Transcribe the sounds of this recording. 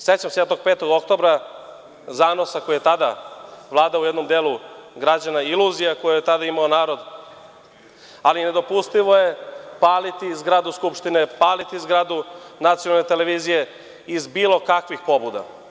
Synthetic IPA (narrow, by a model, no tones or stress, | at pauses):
set͡ɕamsejet̪o̞ɡ̚peːt̪o̞ɡokt̪o̞bɾa | zaːno̞sako̞jijet̪ad̪aʋlˠaːd̪aoujɛd̪no̞md̪eːluɡɾad͡ʑanailˠuːzijako̞jojet̪ad̪aimaonaːɾo̞d̪ | aline̞d̪o̞pust̪iʋo̞je̞paːlit̪izɡɾaːd̪uskupʃt̪inepaːlit̪izɡɾaːd̪unat̪sijonalnet̪eleʋiːzije̞ | izbiːlˠo̞kakʋixpo̞bud̪a̰